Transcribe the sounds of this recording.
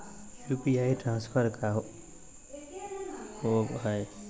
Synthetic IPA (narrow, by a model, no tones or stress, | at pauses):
jupiaːjʈɾãːnspʰəɾkaɦo | oɦaj